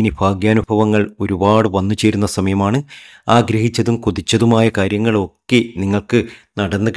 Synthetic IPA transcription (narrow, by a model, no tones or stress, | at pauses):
inebʱaːɡjaːnubʱɐʋɐŋːɐɭo̞ɾubaːɽɨʋɐnːut͡ɕe̞ːɾunːɐsɐmɐjɐmaːɳɨ | aːɡɾɐɦit͡ɕːɐðumkuðit͡ɕːɐðumaːjɐkaːɾjɐŋːɐɭo̞kːeniŋːɐɭkɨnɐɽɐnːɨk